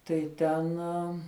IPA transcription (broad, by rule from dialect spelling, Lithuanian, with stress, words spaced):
tɐɪ ˈtʲɛn